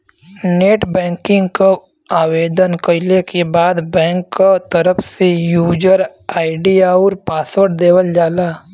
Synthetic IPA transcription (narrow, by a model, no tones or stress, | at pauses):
neːʈbɛ̃ːŋkɪ̃ŋɡko | aːweːd̪ənkəɪlekebaːd̪bɛ̃ːŋkːot̪əɾəpʰsejuːd͡ʒəɾaːɪɖijaɔːɾpaːsəʈd̪eːwəld͡ʒaːlaː